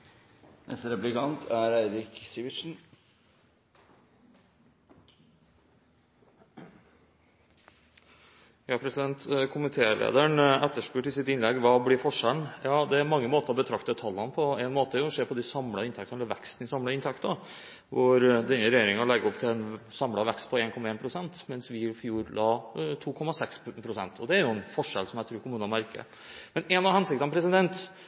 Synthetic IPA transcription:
nʔɛ̰st̪əɾɛplɪkɑnt̪ʰæɾæɪɾɪksiʋɪʂn̩ | jɑːpʰɾɛsɪd̪ɛnt̪kʰʊmɪt̪ʰeːlḛːd̪əɳɛt̪ːəʂpʉːʈɪsɪt̪ɪnlɛɡːʋɑːblɪɾfɔʂæɳjɑːd̪ɛæɾmɑŋːəmoːt̪əɾɔbət̪ʰɾɑkt̪ət̪ʰɑlːɑnpʰɔæɪnmoːt̪əæɾjʊɔʂeːɾpʰɔd̪ɪsɑmlɑɪnt̪ʰɛk̚t̪ɑnɛlːəɾʋɛkst̪ən̩ɪsɑmlɑɪnt̪ʰɛkt̪ | ʋʊɾd̪ɛnːəɾɛjeːɾɪŋɑlɛɡːəɔpt̪ʰɪlɛnsɑmlɑʋɛkst̪̚pʰɔeːnkʰɔmɑeːnpʰɾʊsɛnt̪mɛnsʋɪfjuːɾlʔɑːt̪ʰuːkʰɔmɑsɛkspʰɾʊsɛnt̪ʰɔd̪ɛæɾjʊɛnfɔʂɛlsɔmjɛæt̪ʰɾuːɾkʰʊmʉːnɑmæɾkə̰ | mɛnɛnɑʋhɛnsɪk̚t̪ɑnpʰɾɛsɪd̪ɛnt̪

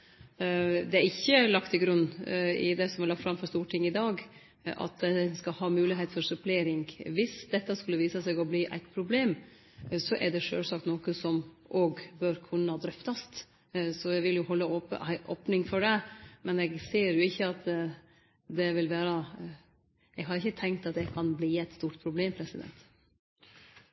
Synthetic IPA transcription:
d̪ɛæɾɪçːəlɑkt̪ʰɪɡɾʉnːɪ̰d̪ɛsɔmælɑfɾɑmfɔɾʂst̪uːʈʰɪŋːɪd̪ɑːɡ | ʔɑ̰t̪ɛskɑhɑːmʉːlɪɦeɪt̪fɔɾsʉpleːɾɪŋʋɪsd̪ɛt̪ːɑskʉlːəʋiːsəsɛɡɔbliːʔæ̰ɪt̪̚pʰɾʊbleːm | sɔʔɛ̰ɖɛʂø̰ːlsɑkt̪nɔːkəsɔm | ʔoːɡbøːɾkʰʉnːəhɑd̪ɾœft̪ɑst̪ | sɔjɛɡʋɪljʊhɔlːəopəʔoːpnɪŋfɔɖɛmɛnɛɡseːɾjʊɪçːəɑt̪ | d̪ɛʋɪlʋæːɾə | ɛɡɦɑɾɪçːət̪ʰɛŋkt̪ɑt̪̚d̪ɛkʰɑnbliːæɪt̪st̪uːʈpʰɾʊbleːmpʰɾɛsɪd̪ɛ̰nt̪

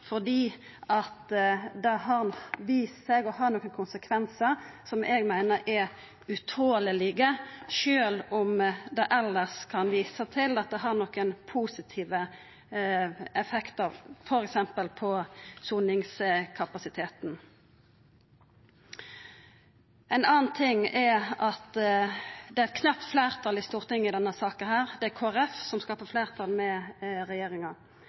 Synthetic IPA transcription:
fɔd̪iː | ɑt̪d̪ɛɦɑʁnʋiːsseːɡɔɦɑʁnɔːkːənkʰʊnsəkʰʋɛnsəʁsɔmʔɛːɡmæɪnəɾʔɛ | ʉt̪ʰoːləlɪɡəʃøːlɔmd̪ɛʔɛlːəʁskʰɑnʋiːsət̪ʰɪlɑt̪̚d̪ɛɦɑʁnɔkːənpʰuːsɪt̪ʰiːʋə | ɛfɛkt̪əfɔɾɛksɛmpəlpʰɔsunɪŋskʰɑpɑsɪt̪ʰeːt̪n̩ | ɛnɑːnt̪ʰɪŋːɛɑt̪ | d̪ɛæɛt̪kʰnɑp̚t̪fleːʁt̪ʰɑlɪst̪uːʁt̪ɪŋːɪd̪ɛnːəsɑːkənhæːɾd̪ɛækʰoːæʁɛfsɔmskɑːpəfleːʁt̪ʰɑlmɛɾɛjeːɾɪŋɑ

